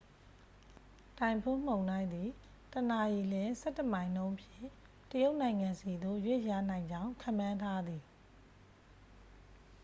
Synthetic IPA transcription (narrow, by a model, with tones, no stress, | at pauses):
tã˨ɪ̃mpʰo˦˨m̥õ˨ʊ̃nã˦ɪ̃nd̪i˨ | təna˨ji˨lɪ̃˦sɛ˦tːə˨mã˨ɪ̃ndõ˦ʊ̃mpʰjɪ̰̃˦˨ | təjo˦ʊʔnã˨ɪ̃ŋã˨nsi˨d̪o̰˦˨jwe˦˨ʔja˦˨n̥ã˨ɪ̃ɲd͡ʑã˦ʊ̃kʰã˦˨mːã˦ntʰa˦d̪ði˨